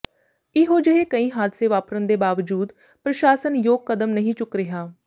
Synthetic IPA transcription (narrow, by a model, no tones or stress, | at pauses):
ɪɦoːd͡ʒəɦeːkəĩːɦaːd̪seːʋaːpɾənd̪eːbaːʋd͡ʒuːd̪ | pɾəʃaːsənjoːɡ̚kəd̪əmnəɦĩːt͡ʃʊkɾɪɦaː